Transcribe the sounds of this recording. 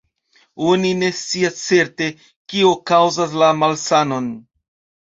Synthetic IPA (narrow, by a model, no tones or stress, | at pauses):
onine̞st͡siast͡se̞ɾte̞ | kiokawzas̬lamalsano̞n